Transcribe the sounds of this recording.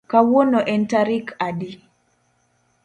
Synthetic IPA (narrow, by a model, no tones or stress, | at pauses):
kawɔnɔʔɛntaɾikaɗi